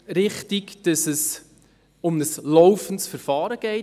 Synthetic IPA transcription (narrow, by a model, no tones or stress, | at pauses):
ɾɪχtiɡd̥ɑsəs | ʊmnəslɔwfən̩tsfəɾfɑːɾəɡ̥ɛɪ